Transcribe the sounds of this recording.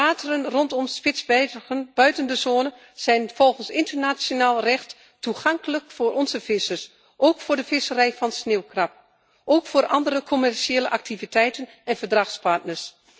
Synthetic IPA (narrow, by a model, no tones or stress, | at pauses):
aːtərənrɔntɔmspɪtzbɛənb̥œɥtəndəzoːnə | z̥ɛjnfɔlˠχənsɪntərnasjonaːlˠrɛχt | tuχɑŋkələkfʊːrʔɔnzəvɪsəɹs | ʔowkfʊːɹdəfɪsərɛjfɑnsneːwkrɑp̚ | ʔoːwkfoːɾʔɑndərəkʰɔmɛrʃeːləʔak̚tivitɛjtən | ɛnvədrɑxspɑɹtnəɹs